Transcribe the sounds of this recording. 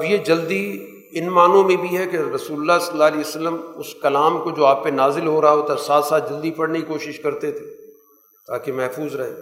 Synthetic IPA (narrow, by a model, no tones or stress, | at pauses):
ɐbjed͡ʒɐld̪i | ɪnmaːnõmẽbʱiɦɛkeɾɐsuːlʊlːasɐlːaːliːəsəlːəmʊskɐlaːmkod͡ʒoːaːp̚ːenaːzɪlɦoɾɐɦaɦoːt̪asaːt̪saːt̪̚d͡ʒɐld̪ipɐɽnekikoːʃɪʃkɐɾt̪et̪ʰeː | t̪aːkemɛɦfuːzɾɐɦḛ̃ː